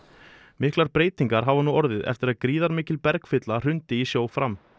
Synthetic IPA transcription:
mɪhklaɾpɾeːjt̪iŋkaɾ̥ɦavanuɔɾðɪðɛ̰ft̪ɪɾaðkɾiːðaɾmɪːcɪlpɛɾkfɪt̪lar̥ʏnt̪ɪisjoːwfɾam

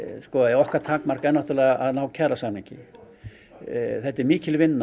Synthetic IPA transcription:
skɔɛɾɔhkaɾt̪ʰaːkmar̥kɛnaht̪ʏɾlɛɣaʔaðnaːwcʰɛɾasamniɲcɪ̰ | θɛht̪ːɛɾmiːcɪlvɪnːa

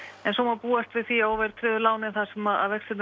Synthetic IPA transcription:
ɛnsomapuːast̪vɪðθiaowvɛɾ̥t̪ʰɾɪðʏlaːwnɪnθḁsɛmaða̰ðvɛksɪt̪n

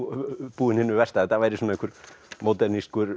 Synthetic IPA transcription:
puːnʲenːyʋæst̪æːt̪æʋeɾʲisemːnekuɾmod̪ernist̪kur

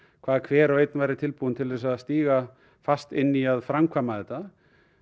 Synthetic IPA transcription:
kʰv̥aːðkʰvɛːɾawejt̪nvajɾɪt̪ʰɪlpunt̪ʰɪlðɛs̬aðst̪iːɣa | fast̪ɪnːiaðfɾamkʰvaːmaðɛt̪a

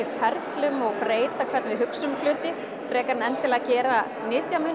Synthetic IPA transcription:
ɪfɛɾt̪lʏmɔɣpɾeːjt̪akʰvɛɾt̪nvɪɦʏksʏmlʏːt̪ɪ | fɾɛːkaɾnɛnt̪ɪlɛcɛːɾa | nɪːt̪jamʏːn

